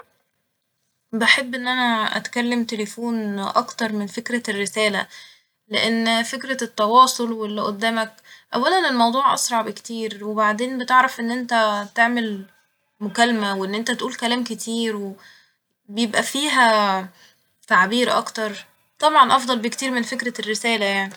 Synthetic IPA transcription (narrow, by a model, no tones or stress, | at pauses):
beħebːʔenːʔænæʔæ̰t̪kælːemt̪elefuːnʔɑkt̪ɑɾˤmenfekɾærːesæːlæ | leʔenːfekɾæt̪ːɑwɑːsˤolwelːɪʔod̪ːæːmæk | ʔæ̰wːælænelmɑwd̪ˤuːʕʔɑ̰sɾˤɑʕbekt̪iːɾwebaʕd̪eːnbet̪eʕɾɑfʔenːʔent̪æt̪eʕmel | mʊkælmæweʔenːʔent̪æt̪ʔuːlkælæːmket̪ʰiːɾwe | bejebʔæfiːɦæ | t̪aʕbiːɾʔɑ̰kt̪ɑɾˤ | t̪ˤɑbʕɑnʔɑfd̪ˤɑlbekt̪iːɾmenfekɾærːesæːlæjaʕni